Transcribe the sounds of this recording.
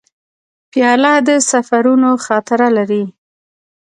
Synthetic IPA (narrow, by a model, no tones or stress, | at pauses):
pjɑlɑd̪əsafaɾunoxɑt̪ɪɾalaɾi